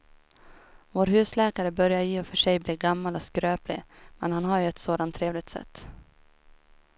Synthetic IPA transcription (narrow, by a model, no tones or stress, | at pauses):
voːɾɦʉ̟ːslɛːkaɾəbœɾjajeːɔfœʂɛjbliːɾɡamːalɔskɾøːplɪ̰mɛnhanɦaɾjɵɛt̪soːd̪ant̪ʰːɾeːvlɪɡ̚t̪sɛ̰t̪ː